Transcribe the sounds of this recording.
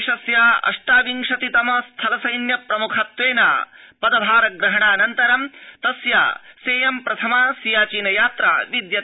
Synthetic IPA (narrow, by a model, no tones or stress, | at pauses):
ʃɐsjaːɐ̰ʂʈaːʋiŋʂɐt̪it̪ɐmɐst̪ʰɐlɐsɐjnjɐpɾɐmukʰɐt̪ʋeːna̰ːpɐd̪ɐbʱaːɾɐɡɾɐɦɐɳaːnɐnt̪ɐɾɐmt̪ɐsja̰ːseːjɐmpɾɐt̪ʰɐmaːsijaːt͡ʃiːnɐjaːt̪ɾa̰ːʋid̪jɐ